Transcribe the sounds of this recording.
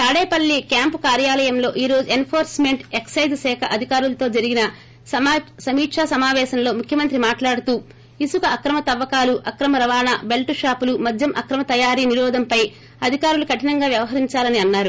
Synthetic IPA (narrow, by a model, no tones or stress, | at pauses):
t̪aːɽeːpɐlːikjaːmpukaːɾjaːlɐjɐmlo̞ːʔiːɾo̞ːd͡ʒuenpʰoːɾsme̞ɳʈeksɐjd͡ʒsɛːkʰɐʔɐd̪ʱikaːɾulɐt̪o̞ːd͡ʒɐɾiɡinɐ | sɐmiːʈʂaːsɐmaːʋɛːʃɐmlo̞ːmukʰjɐmɐnt̪ɾimaːʈlaːɽut̪uː | isukɐɐkɾɐmɐt̪ɐʋːɐkaːluʔɐkɾɐmɐɾɐʋaːnaːbe̞lʈuʂaːpulumɐd̪ʱjɐmʔɐkɾɐmɐt̪ɐjaːɾiːniɾɔːd̪ɐmpɐj | ɐd̪ʱikaːɾulukɐʈinɐŋɡaːʋjɐʋɐɦɐɾiɲt͡ʃaːlɐniɐnːaːɾu